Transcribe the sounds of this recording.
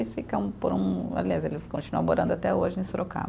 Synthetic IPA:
ɪfikɐũpoɾũbḛlezɐelɪfi̥kõt͡ʃinuɐmoɾɐ̃nd̪ʊat̪ɛoʒɪ̃st̪ɾoka̰

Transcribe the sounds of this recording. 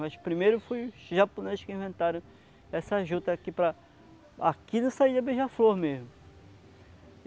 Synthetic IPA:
mɐʃpɾimejɾʊfojʊsʒaponezɪʃkɪĩvẽnt̪aɾɐ̃w̃ | ɛsɐaʒud̪ɐkipɾɐ | a̰kid̪ɐsaid̪ɐbeʒɐfloɾmezmʊ

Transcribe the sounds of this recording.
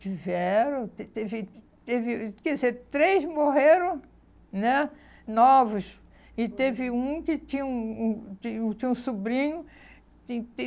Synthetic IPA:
t͡ʃivɛɾɐ̃t̪et̪evɪ | t̪evɪkɛzeɾt̪ɾejzmoɦeɾɐ̃ | nɛ | nɔvʊs | ɪt̪evɪũkɪt͡ʃĩɲũũiut͡ʃĩɲũsubɾĩɲʊ | t͡ʃĩt̪e

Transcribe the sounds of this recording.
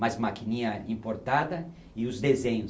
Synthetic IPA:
ajzmakinĩɲɐĩpoɾt̪ad̪ɐ | ɪʊzd̪ezẽɲʊ

